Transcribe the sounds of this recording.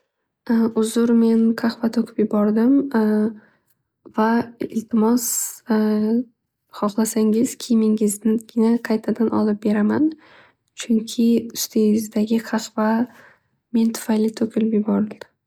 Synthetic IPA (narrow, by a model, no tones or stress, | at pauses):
ʊzʊɾme̞nqʰɑχvat̪ʰɵkʰʲɪ̥pjɪbɒɾd̪ɪm | vaɪlt̪ʰɪmɒs | χɒχlˠasaŋɪz̥kʲʰɪmɪŋɪznɪɡʲɪnaqʰɑjt̪ʰad̪anʔɒ̰lˠɪp̚be̞ɾaman | t͡ʃʰʊŋkʲʰɪʊ̥st̪ʰeɪzd̪aɡʲɪqʰɑχva | me̞nt̪ʰʊ̥fajlɪt̪ʰɵkʲʰɪlɪpjɪbɒɾd̪ɪ